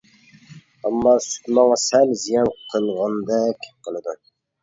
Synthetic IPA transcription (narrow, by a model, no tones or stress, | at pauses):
ɑmːɑsy̥k̪ʲmɑŋɑsælzijɑnqʰəlˠʁɑnd̪ɛkʲʰqʰəlˠɨd̪u